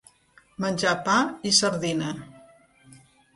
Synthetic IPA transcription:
mənʲʒapaisəɾðinə

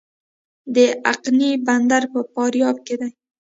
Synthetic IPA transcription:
d̪əaqniband̪aɾpəpɑɾjɑb̚ked̪aj

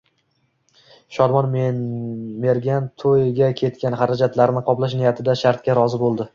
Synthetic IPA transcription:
ʃɒɾmɒnm | me̞ɾɡʲant̪ʰojɡʲakʲʰe̞t̪kʲanɦaɾad͡ʒat̪laɾnɪqʰɒplaʃ̬nɪjat̪ʰɪd̪aʃaɾt̪kʲaɾɒzɪbolˠd̪ɪ

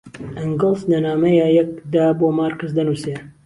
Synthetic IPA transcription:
ʔɐŋɡɨlˠzlɐnaːmɐjajɐkd̪aːboːmaːɾkɨzd̪ɐnuse

